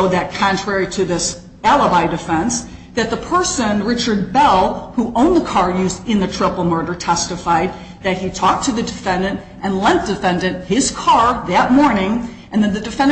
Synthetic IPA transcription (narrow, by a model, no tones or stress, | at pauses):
ʊðɨt̚kʰɑ̃ntʰɹ̥ɛɹiɾɨðɪs | ælˠəbaɪdɨfɛ̃ns | ðɨt̪̚ðəpʰɜ˞sɨ̃nɹɪt͡ʃə˞d̚bɛlˠhuʔõʊ̃nðəkʰɑɹjʉzɨ̃nðɨtʰɹ̥ɪpl̩ˠmɜ˞ɾə˞tʰɛstɨfaɪd̪̚ | ðɨt̚hitʰɔk̚tʰɨðɨdɨfɛ̃ndɨ̃nt | ʔɨ̃nlɛ̃n̚d̥ɨfɛ̃ndɨ̃nthɪz̥kʰɑɹðɨt̚mɔɹnɪ̃ŋ | ɨ̃nðɨt̪̚ðɨdɨfɛ̃n